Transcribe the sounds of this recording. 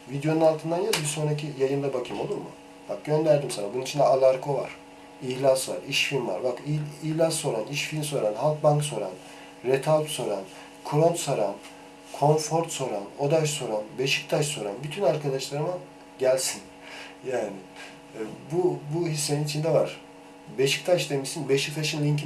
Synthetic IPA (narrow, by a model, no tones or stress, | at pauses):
vid̪jo̞nunalˠt̪ʰɯnd̪anjalˠibiso̞nɾacʰijajɯnd̪abacʰɯmo̞lˠuɾmʊ̰ | b̥ak̚ɟø̞nd̪æɾd̪imsanabununit͡ʃʰind̪ɛalˠaɾkʰo̞va̰ɾ̥ | içlʲasva̰ɾiʃfilʲmva̰ɾbakiiçlʲasːo̞ɾaniʃfilʲmso̞ɾanhalˠk̚baŋkso̞ɾa̰n | ɾet̪ʰalʲt̪so̞ɾan | kʰuɾont̪soɾa̰n | kʰo̞nfo̞ɾt̪so̞ɾano̞d̪ajso̞ɾanbeʃic̚t̪ʰaʃso̞ɾa̰nbyt̪ʰynaɾkʰad̪aʃlˠaɾɯmɯ | ɟælʲsin | jaːnɪ | bubuɦisːe̞ninit͡ʃʰind̪ɛvaɾ̥ | beʃi̥kt̪ʰaʃd̪emiʃsinbeʃik̚t̪ʰaʃinlʲiɲc